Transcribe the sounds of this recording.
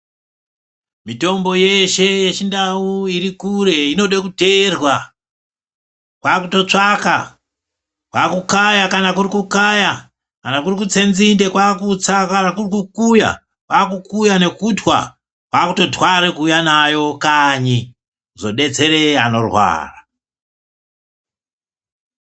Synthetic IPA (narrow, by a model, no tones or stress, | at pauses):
mito̞mbo̞je̞ʃe̞jet͡ʃindauiɾikure̞ino̞ɗekute̞rwa | kwakuto̞t͡ʂaka | kwakukajakanakuɾikukaja | kanakurikut͡se̞nzinde̞kwakut͡sakanakurikukuja̰ | kwakukujane̞kutwa̰ | kwakuto̞twaɾekuːjanajo̞kaɲi | zo̞ɗe̞d͡ze̞ɾe̞a̰no̞rwa̰ːra